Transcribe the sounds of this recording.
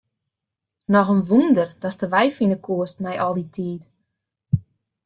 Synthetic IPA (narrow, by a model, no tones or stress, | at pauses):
nɔxənʋundərd̥ɔstəʋɛjfinəkʰuəstmɛjʔɔlˠditʰiːt